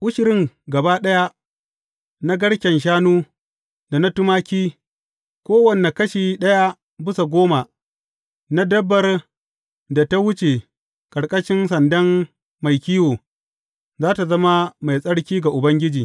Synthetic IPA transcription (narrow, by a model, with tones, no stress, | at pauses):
ʔʊ˦ʃɪ˨ɾɪ˦ŋɡɐ˨baː˦ɗɐ˦ja˦ | na˦ɡɐ˦ɽkʲɛ˨nʃ̬aː˦nuː˦ | da˨na˦tʊ˦maː˦kʲiː˦ | kʷoː˦wɐ˨ne˨kɐ˦ʃiː˨ɗɐ˦ja˦ | bɪ˦sa˨ɡʷoː˦ma˨ | na˦dɐ˦bːɐ˨r | da˨ta˦wʊ˦t͡ʃe˨ | kʼɐ˨ɽkʼɐ˦ʃɪ˦nsɐ˨ndɐ˦m | ma˨jkʲiː˦woː˨ | zaː˦ta˨zɐ˦ma˦ma˨jsʼɐ˦ɽkʲiː˦ɡa˨ʔʊ˨bɐ˦ŋɡʲɪ˦d͡ʒiː˨